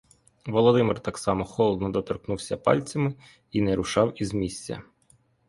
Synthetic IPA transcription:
ʋɔlˠɔd̪ɪmɪrt̪ɑksɑmɔxɔlˠd̪nɔd̪ɔt̪ɔrknuwsʲɐpɑ̰lʲt͡sʲɐmɪ | inɛɾʊʃɑwizmʲisʲt͡sʲːɐ̰

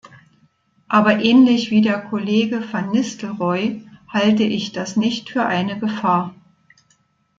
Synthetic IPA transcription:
ʔaːbɐʔɛːnlɪçv̥iːdeːɐkʰoleːɡəfanːɪstl̩ʁɔʏhaltəʔɪçd̥asnɪçtfyːɐʔaɪnəɡəfaːɐ

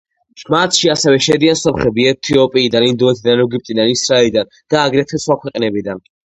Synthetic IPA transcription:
ʃmat̪ʰʃiasɛvɛʃɛd̪iansɔpχɛbiɛt̪ʰiɔpʼiːd̪anind̪ɔɛt̪ʰid̪anɛɡip̚t̪ʼid̪anisɾaɛlid̪and̪̥aːɡɾɛt̪ʰɛsχwakʰwɛqʼnɛbid̪an

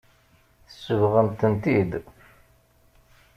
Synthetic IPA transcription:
θəsːəvʁənt̪ənt̪id̪

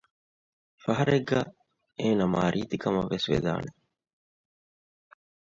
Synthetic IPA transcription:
fɐɦɐɾeɡːæː | eːnɐmaːɾʔiːt̪ikɐmɐʋːesʋḛd̪a̰ːne

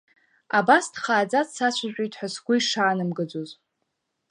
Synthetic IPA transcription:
abasdχaːd͡zat͡ssat͡ɕʷʰaʒᶣʷʼijtʼħasɡʷʊiʂaːnɨmɡɨd͡zoz

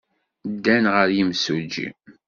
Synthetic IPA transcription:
d̪ːænʁəɾjimsud͡ʒḭ

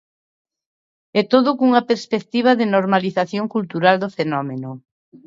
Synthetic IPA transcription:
ɛt̪oðʊkuŋɐpeɾspek̚t̪iβ̞aðɪnoɾmaliθaθjoŋkult̪uɾald̪ofenɔmenʊ

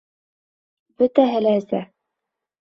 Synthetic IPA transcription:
bɵt̪æɦɘlæɘsæ̰

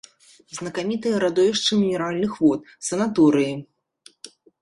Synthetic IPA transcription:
znɐkamʲit̪ɨjɐɾad̪ɔvʲiʂt͡ʂɨmʲinʲɛɾalʲnɨxvɔt̪̚ | sɐnat̪ɔɾɨji

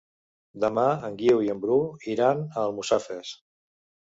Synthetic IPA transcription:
d̪əmaəŋɡiwiəmbɾuiɾanəːlˠmusafes

